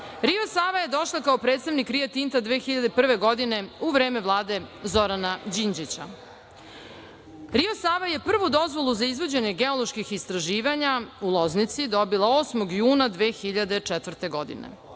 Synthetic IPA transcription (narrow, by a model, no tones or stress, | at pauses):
ɾio̞saːʋaje̞d̪o̞ʃlˠakaopɾet̪st̪aʋnikɾijat̪int̪ad̪ʋeːxiʎad̪epr̩ʋe̞ɡo̞d̪ine̞uʋɾeːme̞ʋlˠaːd̪e̞zoɾanad͡ʑind͡ʑit͡ɕa̰ | ɾiosaːʋaje̞pr̩ʋud̪o̞zʋo̞lˠuzaizvʋod͡ʑe̞ɲe̞ɡe̞olˠoʃkixist̪ɾaʒiːʋaɲaulˠoznit̪sid̪o̞bilˠaoːsmoɡjuːnad̪ʋeːxiʎad̪et͡ʂɛt̪vr̩t̪e̞ɡo̞d̪ḭnḛ